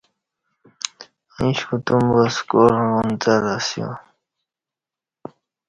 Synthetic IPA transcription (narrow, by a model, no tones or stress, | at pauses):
ĩɕkut̪umbaskoɾunt̪aɾasjõ̰